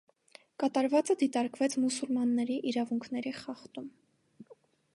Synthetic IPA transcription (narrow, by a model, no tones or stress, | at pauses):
kɑt̪ɑɾvɑt͡səd̪it̪ɑɾkvɛt͡sʰmusulmɑnːɛɾiʔiɾɑvuŋkʰnɛɾiχɑχt̪um